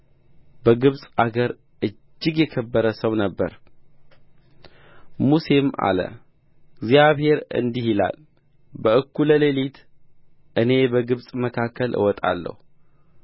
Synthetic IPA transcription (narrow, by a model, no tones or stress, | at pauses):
bəɡɨβsʼaɡəɾ | ʔɨ | d͡ʒːɪɡjɛkʰəbːəɾəsəwnəbːə̰ɾ | musema̰lə̰ | ɡzjaβhe̞ɾɨ̰nd̪ihila̰l | bəɨkːuləlelit̪ | ʔɨne̞bəɡɨβsʼməkʰakːəlʔɨ̰wɔt̪ʼa̰lːə̰hu